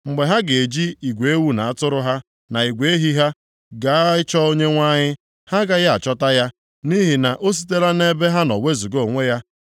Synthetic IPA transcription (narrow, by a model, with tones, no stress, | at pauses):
ŋ͡m̩˨ɡ͡be˨ɦa˦ɡe˨e˨d͡ʒi˦i˨ɡʷe˨e˦wu˦na˨a˦tʊ˦ɾʊ˦ɦa˦ | na˨i˨ɡʷe˨e˦ɦi˦ɦa˦ | ɡa˨a˦ɪ˦t͡ʃɔ˦o˦ɲe˦ŋʷa˦ɲɪ˦ | ha˦ɡa˨ja˦a˨t͡ʃɔ˦ta˦ja˦ | ni˦ɦi˨na˨ʔo˦s̬i˦te˦ɾa˦ne˦be˦ɦa˦nɔ˨we˦zu˨ɡo˨ŋʷe˦ja˦